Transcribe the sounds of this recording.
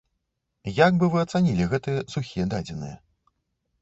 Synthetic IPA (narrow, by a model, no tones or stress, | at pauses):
jaɡbɨvɨɐt̪sanʲilʲiɣɛt̪ɨjɐsuxʲijɛd̪ad͡zʲɛnɨ̰jɛ